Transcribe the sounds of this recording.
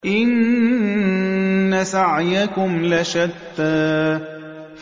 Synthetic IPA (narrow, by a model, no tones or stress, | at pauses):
ʔɪn | asaʕjakʊmlaʃad̪ːa